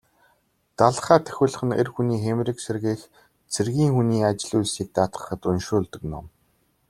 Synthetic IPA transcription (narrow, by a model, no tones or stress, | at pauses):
t̪aɮχæːt̪ʰœ̥xʲʊ̆ːɮ̆χɘ̆nḛrxuniːxemrɘ̆kserɣeːx | t͡sʰerɣiːŋxuniːat͡ɕɪ̆ɮuɮsiːk̚t̪aːt̪ɢə̥̆χə̆t̪ɵnʃʊːɮt̪ə̆knʊ̰m